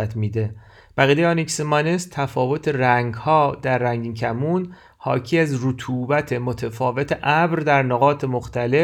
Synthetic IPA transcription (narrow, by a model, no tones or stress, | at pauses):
æt̪ʰmiːd̪e | b̥æɣiːd̪ejɒnicsemɒnest̪ʰæfɒːvo̞t̪ʰeɾæŋɡhɒːd̪æɾːæŋɟicʰæmun | hɒːcʰiæzrut̪ʰuːbæt̪ʰe̞mot̪ʰefɒːvet̪ʰeʔæbɾd̪æɾnoɣɒːt̪ʰemo̞xt̪æle